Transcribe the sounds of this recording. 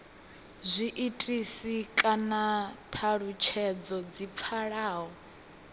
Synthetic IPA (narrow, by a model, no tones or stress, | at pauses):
zʷiʔitʼisikʼanatʰaɺut͡ʃʰɛd͡zɔd͡zip̪fʰaɺaːɦɔ